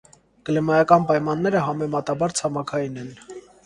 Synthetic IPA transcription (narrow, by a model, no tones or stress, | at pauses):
kəlɛmɑjɑkɑnpɑjmɑnːɛɾəɦɑmɛmɑt̪ɑbɑɾt͡sʰɑmɑkʰɑjinɛn